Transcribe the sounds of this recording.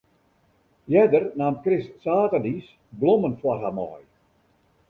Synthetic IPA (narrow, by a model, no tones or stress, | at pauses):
jɛdərnaːmkrɪssaːtadis | blɔmənfwɔrɦamɔ̰j